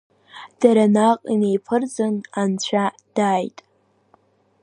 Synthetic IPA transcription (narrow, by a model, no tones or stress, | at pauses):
d̥aɾanaqʼine̞jpʰɨrd͡zɨnant͡ɕʷʰa | d̥ajtʼ